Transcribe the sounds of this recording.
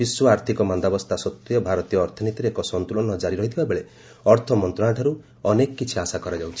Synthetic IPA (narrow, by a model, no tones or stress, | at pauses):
biswɔaɾt̪ʰikɔmand̪abɔst̪ʰasɔt̪ːjɔbʱaɾɔt̪ijɔːɾt̪ʰɔnit̪iɾeekɔsɔnt̪ulɔnɔd͡ʒaɾiɾɔɦit̪ʰibabeɭe | ɔɾt̪ʰɔmɔnt̪ɾɔaʈʰaɾu | ɔnekɔkit͡ʃʰiasakɔɾad͡ʒawt͡ʃʰi̥